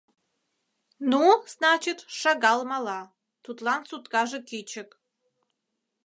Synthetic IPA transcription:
nuz̥nɑt͡ʃit̪ʃɑɡɑlˠmɑlɑ | t̪ut̪lɑnsut̪kɑʒekit͡ʃək

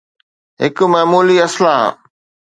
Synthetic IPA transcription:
ɦɪkmaːmuːliɐslã

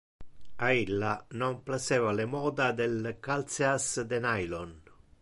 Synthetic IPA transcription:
ailːanɔmplasɛːvalemɔːd̪ad̪elkalt̪seasd̪enajlɔn

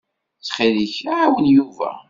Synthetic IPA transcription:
t͡sːχiliçaʕawənjuvæ̰

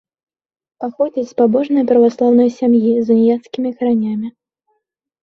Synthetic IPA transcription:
paxɔd͡zʲit͡sʲspabɔʐnɨjɐpɾɐvaslˠawnɨjɐsʲamjizɨnʲjat̪skʲimʲikɐɾanʲamʲi

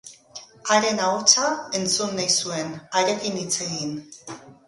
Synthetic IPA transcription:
aɾe̞naot͡sae̞nt͡sunːajsue̞naɾe̞kinit͡se̞ɣin

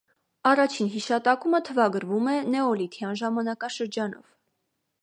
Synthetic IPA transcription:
ɑrɑt͡ʃʰinɦiʃɑt̪ɑkumət̪ʰəvɑɡəɾvumɛnɛɔlit̪ʰjɑnʒɑmɑnɑkɑʃəɾd͡ʒɑn̪ɔ̰v̥

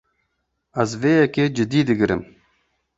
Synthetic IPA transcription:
ɐzveːjɛkeːd͡ʒɪd̪iːd̪ɨɡɨɾɨ̰m

